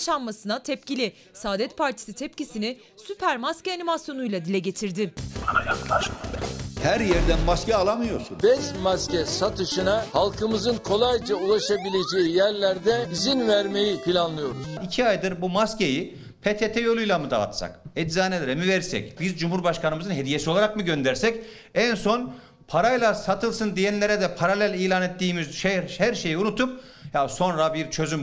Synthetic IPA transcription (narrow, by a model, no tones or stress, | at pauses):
ʃanmasɯnat̪ʰɛpcilʲɪ | saːd̪ɛt̪pʰaɾt̪ʰi̥sit̪ʰɛp̚cisinɪ | sypʰæɾmascɛanimasjo̞nujlˠad̪ilʲɛɟe̞t̪ʰiɾd̪ɪajaklˠaʃahæɾjæɾd̪ænmascɛalˠamɯjo̞ɾsunbɛzmascɛsat̪ʰɯʃɯnahalˠkʰɯmɯzɯnkʰo̞lˠajd͡ʒaulˠaʃabilʲed͡ʒejijæɾlʲæɾd̪ɛizinvæɾme̞jipilʲanlˠɯjo̞ɾuz̥icʰiajd̪ɯɾbumasce̞ji | pʰet̪ʰet̪ʰɛjo̞lʲˠujlʲˠamɯd̪a̰ːt̪sa̰kɛd̪zaːnelɾɛmivɛɾsɛ̰cbizd͡ʒumhuɾbaʃkanɯmɯzɯnɦe̞d̪ije̞sio̞lˠaɾakmɯɟø̞nd̪æɾsɛc | ænso̞n | pʰaɾajlˠasat̪ʰɯlˠsɯnd̪ijɛnlʲe̞ɾɛd̪ɛpʰaɾalʲælʲijlʲaːnet̪ːiːmizʃehæɾʃe̞jiunut̪ʰup̚ | jaso̞nɾabiɾt͡ʃʰø̞zym